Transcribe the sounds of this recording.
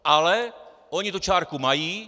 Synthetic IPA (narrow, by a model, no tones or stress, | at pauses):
ʔalɛ | oɲit̪ut͡ʃaːɾkumajiː